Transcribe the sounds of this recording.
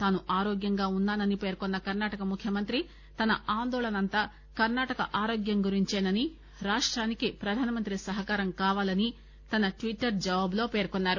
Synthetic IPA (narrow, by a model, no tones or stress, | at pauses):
t̪aːnuʔaːɾoːɡjɐŋɡaːunːaːnɐnipe̞ːɾkɔnːɐkɐɾnaːʈɐkɐmukʰjɐmɐnt̪ɾi | t̪ɐnɐaːnd̪ɔːlɐnɐnt̪ɐ | kɐɾnaːʈɐkɐ̰ʔaːɾoːɡjɐŋɡuɾiɲt͡ʃeːnɐni | ɾaːʂʈɾaːnikipɾɐd̪ʱaːnɐmɐnt̪ɾisɐɦɐkaːɾɐmkaːʋaːlɐni | t̪ɐnɐʈʋiʈːɐɾd͡ʒɐʋaːblo̞ːpe̞ːɾkɔnːaːɾu